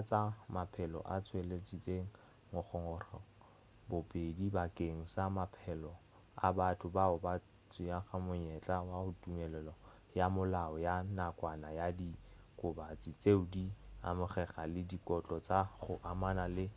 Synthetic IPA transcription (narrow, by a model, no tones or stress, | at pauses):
t͡sʼamapʰɛlɔ̰ʔat͡sʰwelet͡sʼit͡sʼeŋ̩ | ŋʊχɔŋʊrɪ | bʊpʼedibakʼeŋ̩samapʰɛlɔ | a̰batʰʼʊbaʊba | t͡sʼʊaχamʊɲɛt͡ɬʼawahʊtʼumɛlɛlɔ | jamʊlaɔjanakʼwanajadi | kʼʊbat͡sʼit͡sʼeʊdia̰mʊχɛχalɪdikʼɔt͡ɬʼɔt͡sʼaχʊʔamanalɪ